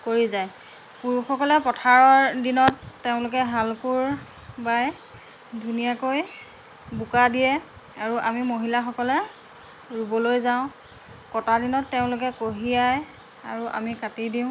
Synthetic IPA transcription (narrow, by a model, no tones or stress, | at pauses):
koɹizaj | puɹxɔkɔlɛpɔtʰaɹɔɹdinɔtːeʊ̃lʊk̬ɛɦalkuɹ | baj | dʱunijakoj | bukadijɛ | aɹuʔamimoɦilaxɔkɔlɛ | ɹubɔlojzaʊ̃ | kɔtadinɔtːeʊ̃lʊk̬ɛkoɦiaj | a̰ɹuʔa̰mikatidiʊ̃